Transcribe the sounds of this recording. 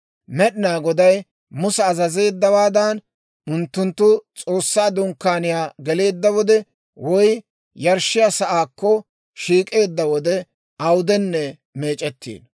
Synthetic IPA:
mɛɗɪnaːɡɔd̪ɐj | mʊsɛɐzɐze̞ːd̪ːɐwaːd̪an | ʊnt̪ːʊnt̪ːʊt͡sʼo̞ːsːaːd̪ʊŋkːaːnɪjaːɡɛle̞ːd̪ːɐwɔd̪ɛ | wɔj | jɐɾʃɪjasɐʔaːkːɔ | ʃiːkʼe̞ːd̪ːɐwɔd̪ɛ | ɐwd̪ɛnːɛ | me̞ːt͡ʃʼɛt̪ːḭːn

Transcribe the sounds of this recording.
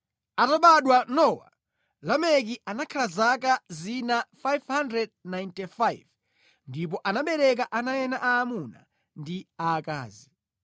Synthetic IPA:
ataɓaɗwanɔwa̰ | lamɛk̬iʔanakʰalazakazinafajvhandɾɛd̚najntifajv | ndip̬ɔʔanaɓɛɾɛk̬aʔanajɛnaʔaːmuna̰ | ndiaːka̰ːzi

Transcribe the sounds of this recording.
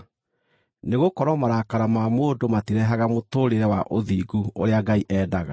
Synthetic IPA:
neɣokɔɾɔmaɾakaɾamamoːdomatiɾɛɦaɣamotoːɾeɾɛwaʔoðiːɡuo̰ɾeaɡaiʔɛːdaɣa̰

